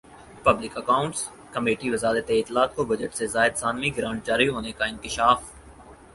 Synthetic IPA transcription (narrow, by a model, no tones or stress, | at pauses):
pɐblɪkɐkaːʊ̃ɳʈs | kɐmeːʈiʋɐzaːɾət̪eɪt̪ːɪlaːt̪̚kobɐd͡ʒəʈsezaːɪd̪saːnmiɡɾãːɳʈ̚d͡ʒaːɾiɦoːnekaɪ̃ŋkɪʃaːf